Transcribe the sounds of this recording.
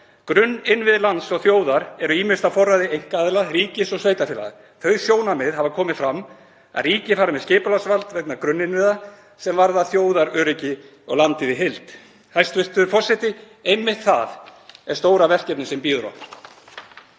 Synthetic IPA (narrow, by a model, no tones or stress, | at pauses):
kɾʏnːɪnːvɪðlant̪sɔɣθjoːwðaɾɛɾʏiːmɪst̪afɔrːaðɪejŋ̥kaðɪlariːcɪsɔɣsveːjt̪afɛla̰ða̰ | θœɥsjoːwnamɪðɦavakʰɔːmɪfɾamː | a̰ðriːcɪfaːɾamɛðscɪːpʏlasvalt̪vɛk̪̚nakɾʏnːɪnvɪða | sɛmvaɾðaθjoːwðaɾœːɾɪcɪ | ɔɣlant̪ɪðɪɦɪlt̪ | hajst̪vɪr̥t̪ʏðʏɾfɔr̥sɛt̪ɪ | ejmːɪht̪θa̰ðɛɾ̥st̪oːwɾavɛr̥cɛpnɪsɛmpiːðʏɾɔ̰p